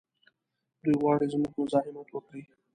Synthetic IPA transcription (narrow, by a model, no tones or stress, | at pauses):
d̪ujwɑːɽizmuɡmʊzɑɦɪmot̪wəkəi